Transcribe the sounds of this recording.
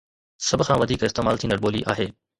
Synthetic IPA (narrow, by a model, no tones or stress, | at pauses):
sɐbʱkʰãʋɐd̪ʱiːkɪst̪eːmaːlt̪ʰĩːnəɽɓoːlḭʔa̰ːɦeː